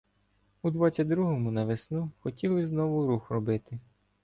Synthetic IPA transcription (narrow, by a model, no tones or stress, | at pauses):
ud̪ʋɑt͡sʲːɐd̪ɾuɦɔmʊnɐʋesnuxɔtʲilˠɪznɔʋʊɾuxrɔbɪt̪ɪ